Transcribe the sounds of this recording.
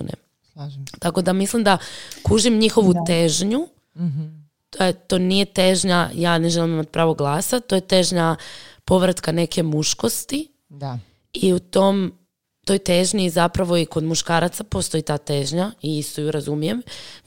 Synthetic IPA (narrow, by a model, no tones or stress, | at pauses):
nḛ | ʒt̪ako̞d̪amislimd̪akuʒimɲixo̞ʋut̪e̞ʒɲu | t̪oet̪o̞ːnije̞t̪eʒɲajaːne̞ʒe̞limimat̪i̥pɾaːʋoɡlˠaːsat̪ojet̪e̞ʒɲapo̞ʋɾat̪kane̞ke̞muʃko̞st̪i | a | iut̪o̞m | t̪o̞jt̪eʒɲizapɾaʋo̞iko̞d̪muʃkaːɾat̪sapost̪o̞jit̪aːt̪eʒɲaiist̪ojuɾazumije̞m